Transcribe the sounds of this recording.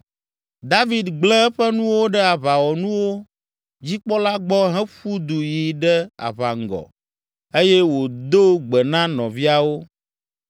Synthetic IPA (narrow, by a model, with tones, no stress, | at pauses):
d̪a˦vi˨d̪ɡ͡blɛ˦ɛ˦ɸɛ˦nũ˦wo˦ɖɛ˦a˨βa˨wɔ˨nũ˦wo˦ | d͡ʑi˦k͡pɔ˦la˦ɡ͡bɔ˦ɦɛ̃˦ɸu˦d̪u˨ji˨ɖɛ˦a̰˨βa̰˨ŋ̩˨ɡɔ̰˨ | e˦jɛ˦wo˨d̪o˦ɡ͡bɛ˨nã˦nɔ̃˨vi˦a˦wo˦